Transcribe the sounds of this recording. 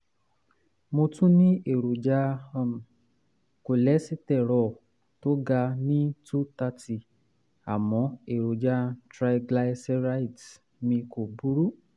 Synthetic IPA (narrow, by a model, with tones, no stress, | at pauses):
mo˧tũ˦nĩ˦e˨ɾo˨d͡ʒa˧ɔ̃˧˨m̩˨ | ko˨lɛ˨˦si˦tɛ˦˨ɾɔ˨ | to˦ɡa˧nĩ˦tu˦ta˧ti˨ | a̰˨mɔ̃˨˧˦e˨ɾo˨d͡ʒa˧tɾa˧i˧ɡla˧sɛ˧˦ɾa˦i˨t | mĩ˧ko˨bu˦ɾu˦